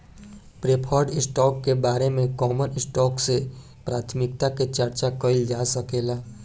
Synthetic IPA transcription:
pɾeːpʰɔːɾɖɪsʈɔːkːebaːɾemẽkɔːmənɪsʈɔːkse | pɾaːt̪ʰmɪk̚t̪aket͡ʃɐɾt͡ʃakəɪld͡ʒaːsəkeːlaː

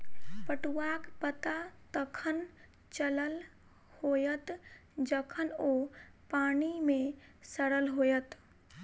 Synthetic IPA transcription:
pəʈuakpət̪at̪əkʰən | t͡ʃələl | hojət̪d͡ʒəkʰənopanimesəɽəlɦojət̪

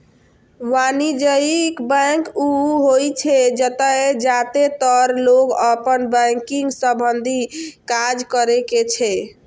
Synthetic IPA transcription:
ʋanid͡ʒəikbə̃ŋkuɦojt͡ʃʰɛd͡ʒət̪əed͡ʒat̪et̪əɾloɡəpənbɛ̃ŋkiŋɡsəbənd̪ʱikad͡ʒkəɾeket͡ʃʰɛ

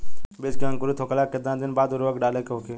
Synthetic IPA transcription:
bɪd͡ʒkãŋkʊɾuːt̪ʰoːkəlaːkːɪd̪ãd̪ɪnbaːd̪ʊɾʋəkɖaːleːkokʰeː

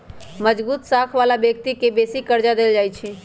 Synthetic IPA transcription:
məd͡ʒbuːt̪saːkʰʋaːlabjək̚t̪ikebeːsikəɾd͡ʒad̪eːld͡ʒaːjt͡ʃʰi

